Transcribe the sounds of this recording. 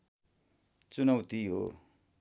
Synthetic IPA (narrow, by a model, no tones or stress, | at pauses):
t͡sunʌwt̪iɦo̰